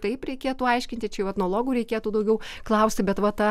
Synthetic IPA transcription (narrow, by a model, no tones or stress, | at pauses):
t̪ɐɪpɾʲɛɪkʲeːt̪uːɐɪʃʲkʲɪnt̪ʲɪt͡ʃʲɛjɛʊʋɛt̪nolˠoːɡuːɾʲɛɪkʲeːt̪uːd̪ɐʊɡʲɛʊklˠɐʊsʲt̪ʲɪbʲɛt̪ʋɐt̪ɐ